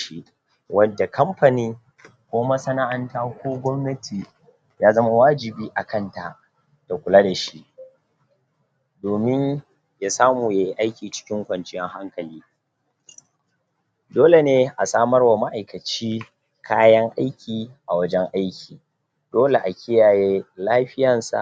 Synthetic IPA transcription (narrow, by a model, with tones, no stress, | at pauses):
ʃi˦ | wɐ˦dːa˨kʰɐ˦mɸa˨niː˦ | kʷoː˦mɐ˦sɐ˦na˦ʔa˨ntaː˦kʷoː˦ɡʷɔ˦mnɐ˦tʰiː˨ | jaː˦zɐ˦ma˦waː˦d͡ʒɪ˨biː˦ʔa˨kʰɐ˦˨nta˨ | d̥a˨kʷʊ˨laː˦da˨ʃi˦ʔ | doː˨mɪ˦ɲ | jaː˦saː˦muː˨ja˦ji˦ʔa˦jkʲiː˨t͡ʃɪ̥˦kʲɪ˦ŋkʷɐ˨nt͡ʃɪ˦jɛ˦ŋɦa˦ŋkɐ˨liː˦ | doː˦le˨neː˦ʔa˨saː˦mɐ˦rwa˨ma˦ʔa˨jkɐ˨t͡ʃiː˦ | kʰaː˦jɐ˦ŋʔa˦jkʲʰiː˨ʔa˨wɐ˦d͡ʒɛ˦ŋʔa˦jkʲiː˨ | doː˦le˨ʔa˨kʲʰɪ˦jaː˨jeː˦laː˦ɸɪ˦jɐ˨nsa̰˨ʔ